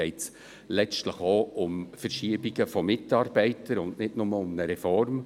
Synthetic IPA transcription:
ɛɪts | lɛt͡stləχoʊmfəɾʃiəbiɡəfɔmɪtɑːɾb̥ɛɪtəɾʊndnɪdnʊməʊmnəɾɛfɔɾm

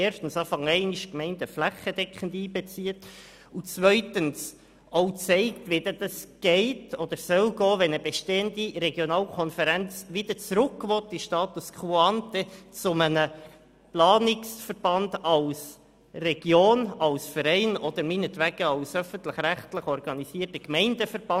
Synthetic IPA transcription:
eːɾrʃtən̩sɑːfɑŋɛɪniʃkmɛɪntəflæχːəd̥ɛkχəndiːbɛt͡siːət | ut͡sʋœʏtəns | ʔoʊt͡sɛɪktʋɛd̥əd̥ɑsɡ̥ɛɪtʰɔd̥̪əɾsœlɡɔːʋɛnəbeʃteːəndiɾɛɡjonɑːlkʰɔnfəɾænt͡sʋɪd̥̪əɾt͡sɾʊkːʋɔtːiʃtɑːtuskʰuɑntɛt͡sʊmənə | plɑːnɪksfəɾb̥ɑndɑls | rɛɡ̥joːnɑlsfəɾɛɪnɔd̥̪əɾmiːnətvæɡ̥əɑlsœfən̩tləχɾæχtləχɔrɡ̥ɑnisiːtəkmɛɪndəfəɾb̥ɑ

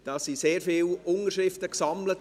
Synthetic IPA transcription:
d̥ɑːsiseːɾfiːlʊnərʃɪftəksɑmlət

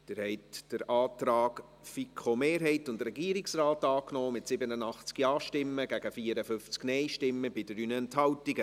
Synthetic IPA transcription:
d̥ɪːɾhɛɪtd̥əɾɑːtɾɑːk | fikʰχomeːɾɦɛɪtʊndɾɛɡiəɾiksrɑːtɑːknɔːmɪtsɪbənənɑχt͡skiɑːʃtɪmːəɡæɡ̥əfiːəɾəfʏft͡sknɛɪʃtɪmːəbɪd̥əɾynəɛnthɑwtiɡə

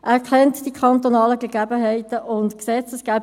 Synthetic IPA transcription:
æɾkʰɛntd̥ikʰɑnt̪onɑːləɡeɡ̥æbəɦɛɪtəʔʊntksɛt͡səsɡ̥æb

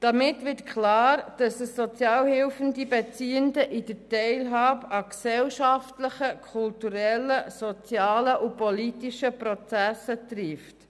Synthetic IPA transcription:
d̥ɑmɪtʋɪtkχlɑːɾd̥ɑsəsːɔt͡sjɑːlhɪlfəndibɛt͡siːəndəʔid̥ətɛɪlɦɑːbɑksɛlʃɑftləχəkʰχultuɾɛlːəsɔt͡sjɑːləʔupɔlitiʃəpɾɔt͡sæsət̪rift

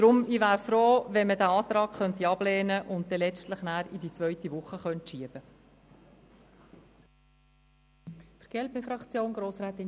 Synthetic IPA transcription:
d̪̥ɾʊmivæːɾfɾoːvɛnmədæɑːt̪ɾɑːkχœntiɑb̥lɛːnəʔʊnt̚dɛlɛt͡stləχnæːɾidit͡svœʏtiʋʊχəχœntʃiəb̥ə | fəɾɡ̥ɛlbefɾɑkt͡sjoːnɡɾoːsɾaːt̪ːɪn

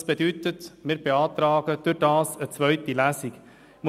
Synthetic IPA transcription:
sbət̪ʰyt̪ət̪meɾbeɑːd̪ɾɑːɡ̥əd̪ʉɾd̪ɑːsəsʋœʏt̪ːɪlæːsɪɡ | m

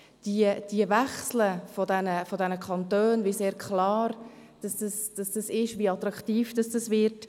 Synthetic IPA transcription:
d̥iəd̥iəvɛχsləfɔdɛnəfɔdɛnəkʰɑntøːnviseːɾkʰlɑːɾd̥ɑsd̥ɑsd̥ɑsd̥ɑsɪʃʋiɑt̪ɾɑktiːfd̥ɑsd̥ɑsvɪt

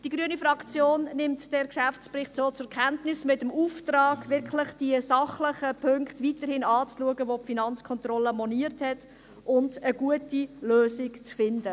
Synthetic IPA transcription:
d̥iɡɾyənifɾɑkt͡sjoːnnɪmtd̥ɛɾkʃæft͡sprɪχtsoːt͡sʊkχɛntnɪsmɪtəmuːftɾɑːɡʋɪɾkχlɪχd̥iəsɑχləχəpʰøŋktviːtəɾhɪnɑːt͡sluəɡəʋopfinɑnt͡skʰɔnt̪rɔləmɔniːəɾthɛt | ʔʊndəɡ̥uətiløːsikt͡sfɪndə

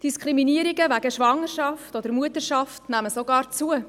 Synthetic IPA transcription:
d̥iskʰɾiminiəɾiɡəvæɡ̥əʃʋɑŋːəɾʃɑftɔd̥əɾmuətəɾʃɑftnæməsoɡɑːɾt͡suə

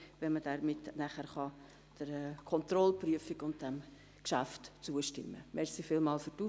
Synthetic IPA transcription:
ʋɛlməd̥ɛɾmɪtnæχæɾχɑ | d̥əɾɛkʰɔnt̪rɔlpryəfɪkʊnt̚dɛm | kʃæftt͡suəʃtɪ̰mːəmɛɾsifɪlmɑːlfyɾdu

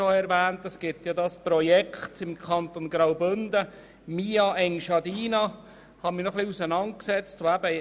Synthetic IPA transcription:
oɛɾʋæːntɑsɡ̥ɪtjɑdɑspɾɔjɛkʰχtɪmkʰɑnt̪onɡɾawbɵnd̪ə | miːɑʔɛŋʃɑdiːnɑ | hɑmɪnɔχliusənɑnt̚ksɛt͡stʋoæbə

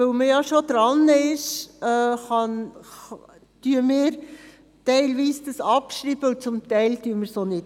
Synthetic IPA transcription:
øwməjɑʃod̪̥ɾɑnɪʃɛːχɑn | tyəmɪːɾ | tɛɪlʋiːsd̥əsɑpʃɾiːb̥əʊt͡sʊmt̪ɛɪltyəməɾsonɪt

